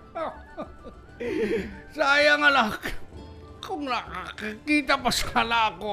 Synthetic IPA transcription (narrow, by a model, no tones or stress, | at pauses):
sajaŋalak | koŋlaʔkkit̪apasalako